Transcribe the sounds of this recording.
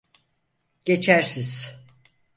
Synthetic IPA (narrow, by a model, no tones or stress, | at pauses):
ɟ̥e̞t͡ʃʰæɾsiz̥